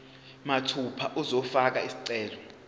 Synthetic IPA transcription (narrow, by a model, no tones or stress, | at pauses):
matʰupʰaʔuzɔfak̬aisi̥ǀɛːlɔ